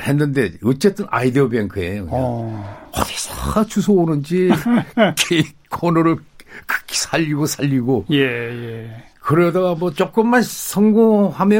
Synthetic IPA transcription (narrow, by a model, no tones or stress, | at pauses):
he̞nːɯnde̞ʌt͡ɕ͈e̞t͈ɯnʔa̰ideʌbenkʰɯeɯ | ʌ̰tesat͡ɕʰusʰoonɯnd͡ʑi | kʰe | kʰonʌɾɯɭ | kʰɯ̥kʰi̥sʰaʎːiɡosʰaʎːiɡojeje | kɯɾedaɡamʌt͡ɕok͈ɯmːansʰʌŋɡohamjʌ